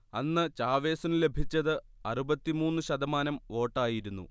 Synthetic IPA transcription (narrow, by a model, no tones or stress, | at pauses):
ɐnːɨt͡ɕaːʋe̞ːsɐnɨle̞bʱit͡ɕːɐðɨ | ɐrubɐt̪ːimuːnːɨɕɐd̪ɐmaːnɐmo̞ːʈːaːjiɾunːṵ